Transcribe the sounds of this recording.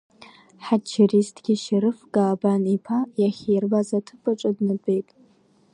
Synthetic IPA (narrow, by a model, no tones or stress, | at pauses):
ħat͡ʃʰːiristʰɡʲiʃɪɾɨfɡaːbanipʰajaχʲerbazatʰɨpʰʼɨʈ͡ʂʷʼadnɨbʼejtʼ